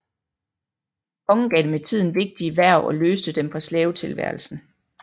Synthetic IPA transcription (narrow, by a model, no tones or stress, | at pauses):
kʰɒ̽ŋn̩ɡ̥ɛd̥emet͡sʰið̞̰ˠn̩ʋe̝ɡ̥̚d̥iʋæɐ̰ʔɒ̽løːsd̥əd̥empʰɒ̽slɛːʊt͡sʰe̝lʋæ̰ɐlsn̩